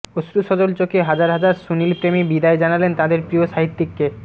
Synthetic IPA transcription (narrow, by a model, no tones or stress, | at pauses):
osɾuʃɔd͡ʑolt͡ɕokeɦad͡ʑaɾɦad͡ʑaɾsunilpɾemibid̪aed͡ʑanalent̪ad̪eɾpɾioʃaɦit̪ːikːe